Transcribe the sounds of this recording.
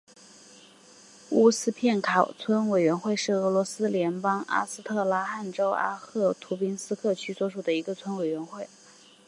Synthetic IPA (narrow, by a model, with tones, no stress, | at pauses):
u˥sɹ̩˥pʰjɛ˥˩nkʰɑ˨˩ʊt͡sʰwə˥nwe˨˩ɥɛ˧˥nxwe˥˧ɪʂɻ̩˥˩ɤ˧˥lwɔ˧˥sɹ̩˥ljɛ˧˥npɑ˥ŋa̰˥sɹ̩˥t̪ʰɤ˥˩la˥xa˥˩nʈ͡ʂo˥ʊʔa̰˥xɤ˥˩t̪ʰu˧˥pi˥nsɹ̩˥kʰɤ˥˩t͡ɕʰy˥swɔ˧˥ʂu˨˩d̪ə˦i˧˥ɡə˧t͡sʰwə˥nwe˨˩ɪɥɛ˧˥nxwe˥˩ɪ